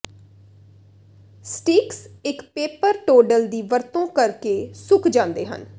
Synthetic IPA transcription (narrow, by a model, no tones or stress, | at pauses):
sʈiːksɪkpeːpəɾʈoːɖəld̪iːʋəɾt̪õːkəɾkeːsʊkʰd͡ʒãːnd̪ḛːɦə̰n